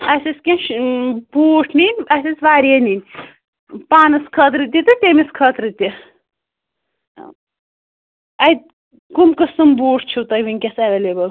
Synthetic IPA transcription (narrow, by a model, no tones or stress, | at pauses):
ɐsʲiskʲenʃbuːʈʰninʲɐsʲisʲʋaːɾiɐninʲ | paːnɨskʰɐt̪ɾɨt̪̬ʲit̪ɨt̪ʲemiskʰɐt̪ɾɨt̪ʲi | ɐjd̪̚ | kumkɐsɨmbuːʈʰt͡ʃʰuwt̪ɐjʋinʲkʲɐsɐʋeleːbɐl